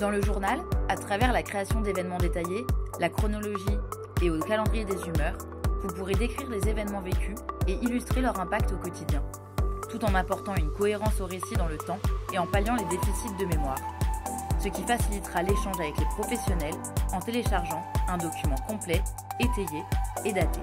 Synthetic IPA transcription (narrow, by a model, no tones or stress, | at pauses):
d̪ɑ̃ləʒuʁnalat̪χavɛʁlakχeasjɔ̃d̪evɛnmɑ̃d̪et̪ajelakχɔnɔlɔʒi | eokalɑ̃d̪ʁijed̪ezymœʁ | vupuʁed̪ekχiʁlezevɛnmɑ̃vekʲyeʔilyst̪χelœʁɛ̃pakt̪okɔt̪id̪jɛ̃ | t̪ut̪ɑ̃napɔʁt̪ɑ̃ynkɔeʁɑ̃soʁesid̪ɑ̃lət̪ɑ̃eɑ̃paljɑ̃led̪efisit̪̚d̪əmemwaːʁ | səkʲifasilit̪χaleʃɑ̃ʒavɛklepχɔfesjɔnɛl | ɑ̃t̪eleʃaʁʒɑ̃ɛ̃d̪ɔkʲymɑ̃kɔ̃plɛ | et̪ejeːd̪at̪e